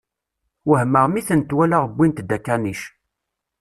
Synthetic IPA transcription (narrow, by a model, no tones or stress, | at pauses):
wəhməʁmiθənt̪wælaʁəbːint̪d̪ækːæniʃ